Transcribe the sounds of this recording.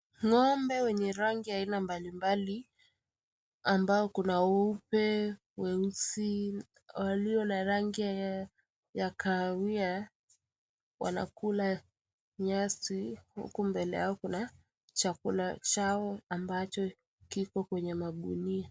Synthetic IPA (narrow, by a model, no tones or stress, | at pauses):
ŋɔmbɛwɛɲɛɾaŋɡiainambalimbali | ambaɔkunaupɛ | wɛusi | waliɔnaɾaŋɡi | jakʰawia | wa̰na̰kula | ɲasihṵkumbɛlɛ̰jaɔkuna | t͡ʃakulat͡ʃaɔambat͡ʃɔ | kikɔkwɛɲɛmaɓunia